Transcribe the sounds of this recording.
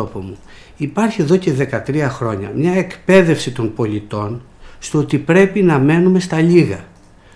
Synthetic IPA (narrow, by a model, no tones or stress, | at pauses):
opomu | ipɐɾçie̞ðo̞ce̞ðe̞kɐt̪ɾiɐxɾo̞ɲɐ̰mɲɐekpe̞ðe̞fsit̪o̞npo̞lit̪o̞n | st̪oot̪ipɾe̞pinɐme̞nume̞st̪ɐʎiɣɐ